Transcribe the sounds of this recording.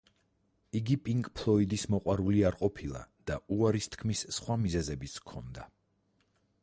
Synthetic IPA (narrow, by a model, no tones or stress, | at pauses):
iɡipʼiŋkʼpʰlˠɔid̪ismɔqʼwaɾuliaɾqʼɔpʰilˠa̰d̪̥auaɾist̪ʰkʰmissχwamizɛzɛbit̪skʰɔnd̪a